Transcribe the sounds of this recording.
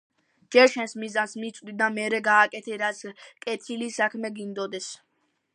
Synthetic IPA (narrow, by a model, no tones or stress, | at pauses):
d͡ʒ̥ɛɾʃɛnsmizansmit̪sʼd̪id̪amɛɾɛɡaːkʼɛt̪ʰɛɾat̪sʰkʼɛt̪ʰilisakʰmɛɡind̪ɔd̪ɛs